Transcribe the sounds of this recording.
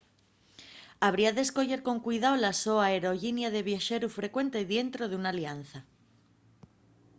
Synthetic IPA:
aβ̞ɾiaðesko̞ʎe̞ɾko̞ŋkwujðawlasoaeɾo̞ʝinjaðe̞β̞jaʃeɾufɾe̞kwe̞nt̪eðje̞nt̪ɾoðeunalian̟θa

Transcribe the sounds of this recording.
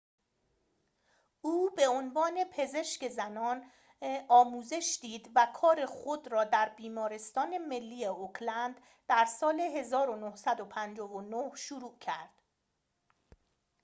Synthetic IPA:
uːbe̞onvɒːne̞pʰe̞ze̞ʃce̞zænɒːn | ɒːmuːze̞ʃd̪iːd̪vækʰɒːɾe̞xod̪ɾɒːd̪æɾbiːmɒːɾe̞st̪ɒːneme̞lːiːeokʰlænd̪ | d̪æɾsɒːle̞ɦe̞zɒːɾo̞nohsæd̪opʰænd͡ʒɒːvonohʃuɾuːcʰæɾd̪̥

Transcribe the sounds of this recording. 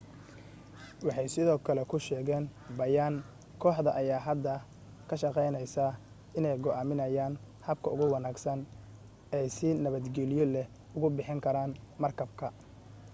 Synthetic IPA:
wɑħɑjsɪðɔːkʰɐlɛkʰʊʃɛːɣɛːnbɐjaːn | kʰɔːħd̪ɐʔɐjaːɦɐd̪ːɐ | kʰɐʃɑqɛjnɐjsa | ɪnɛjɡɔʔaːmɪnɐjaːn | hɐb̚kʰɐʊɣʊwɑnaːɡsɐn | ɛjsɪnɐβɐd̪ɡɛlɪjɔlɛh | ʊɣʊbɪħɪŋkʰɐɾaːnmɐrkʰɐbkʰɐ

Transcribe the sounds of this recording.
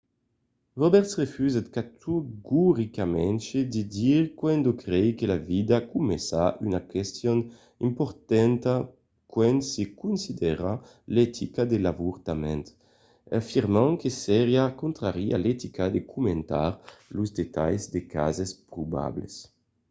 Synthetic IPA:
ʁɔbɛɾt̪sʁefyzat̪kat̪uɡuʁikamɛ̃nt͡ʃed̪id̪iʁkwɛnd̪okɾɛjkelavid̪akumesaʔynakɛst̪jɔn | impɔɾt̪ɛnt̪a | kwɛnsekunsid̪ɛʁa | lɛt̪ʰikad̪elavuʁt̪amɛ̰̃nt̪ | afiʁmãŋkesɛɾjakunt̪ʁaʁia̰let̪ikad̪ekʰument̪a̰ɾluzd̪et̪a̰jzd̪eka̰zespɾuba̰blḛs

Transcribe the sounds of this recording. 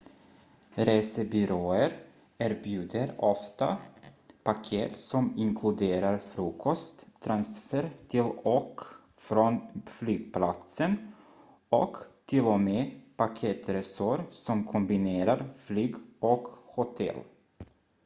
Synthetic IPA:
ɾeːsəbʏɾoːəɾ | æːɾbjʉ̟ːd̪əɾɔft̪a̰ | pakʰeːt̪sɔmɪŋkʰlɵd̪eːɾaɾfɾuːkʰɔst̪ʰːɾansfəɾt̪ʰɪlɔk | fɾɔnflyːɡ̥̚plat̪sən | ɔkt̪ʰɪlːɔmeːpakʰeːt̪ɾɛsɔɾsɔmkʰɔmbɪneːɾaɾflyːɡɔkhʊt̪ʰɛ̰l

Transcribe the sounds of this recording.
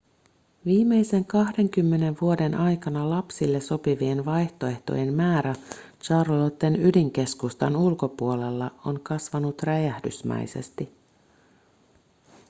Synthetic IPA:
ʋiːmːe̞jse̞ŋkɑhde̞ŋk̟ymːe̞ne̞ʋʋuo̞de̞nʔɑjkɑnɑlɑpsilːe̞so̞piʋie̞nʋɑjht̪o̞e̞ht̪o̰je̞mmæːɾæ | t͡ʃɑrlot̪ːenydiŋk̟e̞skust̪ɑnulko̞puo̞le̞lːɑo̞nkɑsʋɑnut̪ræjæhdy̰smæ̰jse̞̰st̪i

